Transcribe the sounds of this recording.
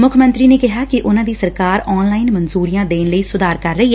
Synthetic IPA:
mʊkʰmə̃nt̪ɾiːneːkɪɦaːkɪʔʊnãːd̪iːsəɾkaːɾɔːnlaːinmənzuːɾijãːd̪eːnləiːsʊd̪aːɾkəɾːəiː

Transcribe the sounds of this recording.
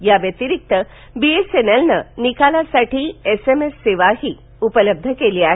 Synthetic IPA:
jaʋjɐt̪iɾik̚t̪ə | biesenɐlnɐnikalasaʈʰiesemesːeʋaɦi | upələb̚d̪ʱəkelia

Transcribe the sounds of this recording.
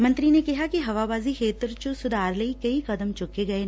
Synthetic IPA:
mɐ̃nt̪ɾinekɪɦakiɦɐʋabaːzixʰeːt̪ɾt͡ʃosʊd̪aːɾleikɐikɐd̪əmt͡ʃʊkeɡɐe

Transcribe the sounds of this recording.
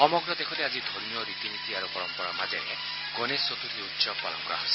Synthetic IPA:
ɔmɔɡɾɔd̪ekʰɔt̪ead͡ʒid̪ʱoɾmiɔɾit̪imit̪iaɾupɔɾɔmpɔɾamad͡ʒeɾe | ɡonesːot̪ut̪ʰiutːsɔpɔlɔ̰ŋkɔɾa̰ɦɔsi

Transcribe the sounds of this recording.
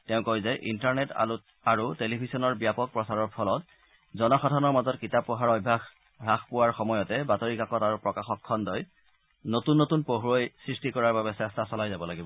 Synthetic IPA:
tɛʊ̃kojzɛʔḭntaɹnɛta̰lut | aɹutelibʱisɔnɔɹbijapɔk̚pɹɔsaɹɔɹpʰɔlɔt | zɔnɔxɔdʱanɔɹmazɔtkitapːɔɦaɹɔbʱax | ɹaxpʊwaɹxɔmɔjɔtɛbatoɹikakɔtaɹupɹɔkaxɔkʰːɔndɔj | notunːotunpoɦɹojsɹistikɔɹaɹbabɛsɛstasɔlajzabɔlaɡibɔ

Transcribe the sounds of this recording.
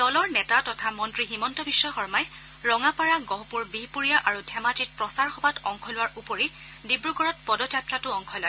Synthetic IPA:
dɔlɔɹnɛtatɔtʰamɔntɹiximɔntɔbisːɔxɔɹmaj | ɹɔŋapaɹaɡɔɦpuɹbiɦpuɹijaʔaɹudʰʱɛmad͡ʒit̚pɹɔsaɹxɔbatɔŋkʰɔlʊwaɹʔupoɹi | dibɹuɡɔɹɔt̚pɔdɔd͡ʒatɹatʊɔŋkʰɔlɔj

